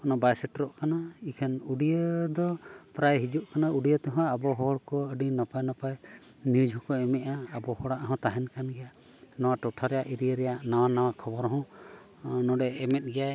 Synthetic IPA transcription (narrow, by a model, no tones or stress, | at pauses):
ɔnɔbajsɛʈɾɔʔkanaikʰanuɖiəd̪ɔpɾajɦid͡ʒuʔkanauɖijət̪ɛɦɔ̃ːbɔɦɔɔɽkɔəɖinɔpajnɔpaj | nid͡ʒʱɔ̃kɔɛmɛʔaːbɔhɔɽaʔɦɔ̃t̪aɦɛnkanɡɛja | nɔwaʈɔʈʰaɾɛjaʔiɾijəɾɛjaʔnawanawakʰɔbɔɾɦɔ̃ | nɔ̃ɖɛɛmɛt̪̚ˀɡɛjaj